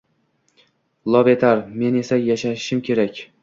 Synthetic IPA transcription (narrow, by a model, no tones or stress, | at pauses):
lˠɒvet̪ʰaɾme̞ne̞sajaʃaʃɪʃɪmkʲʰe̞ɾakʲ